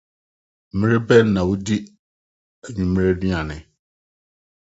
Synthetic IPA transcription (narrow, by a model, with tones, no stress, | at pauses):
m̩˨mɪ̃˦ɾɪ˦bɛ˦n˦nã˨wo˦di˦ | æ˨ɲũ˨mɪ̃˦ɾɪ˦di˦ã˨nɪ̃˨